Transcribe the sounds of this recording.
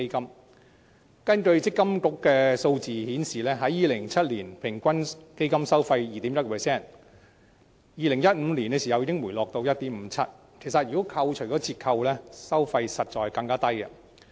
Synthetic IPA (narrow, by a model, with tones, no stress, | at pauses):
ke˥kɐ˥m | kɐ˥nkɵ˧ɥt͡sɪ˥kːɐ˥mkʊ˥kːɛː˧so˧wt͡siː˨˧hiː˨˥nsiː˨˩lɛː˥ɦɐ˨˥jiː˨lɪ˨˩ŋt͡sʰɐ˥t̚liː˨˩npʰɪ˨˩ŋkʷɐ˥nke˥jkɐ˥msɐ˥wfɐ˧jjiː˨˩t̪iː˨˥mjɐ˥t̚kɔː˧pʰɛ˨˩sɛː˥˩n | jiː˨˧lɪ˨˩ŋjɐ˥t̚m̩˨˧li˨˩nkɛ˧siː˨˩ɐ˨wjiː˧˥kɪ˥ŋwu˨˩jlɔː˨k̚t̪o˧wjɐ˥t̚t̪iː˨˥m̩ː˨˧˥t͡sʰɐ˥t̚ | kʰe˨˩js̬ɐ˨jyː˨˩ɔ˨˥kʰɐ˧wt͡ʃʰɵ˨˩kɔː˨˥t͡sʰiː˧t̚kʰɐ˧wlɛː˥sɐ˥wfɐ˧jsɐ˨t̚t͡ʃɔː˨jkɐ˧ŋkaː˥t̪ɐ˥jkɐ̰˧